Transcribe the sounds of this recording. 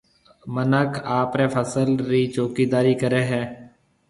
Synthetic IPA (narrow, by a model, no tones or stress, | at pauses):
mənəkʰaːpɾeːpʰəsəlɾiːt͡ʃoːkiːd̪aːɾiːkəɾeːɦɛ̃ː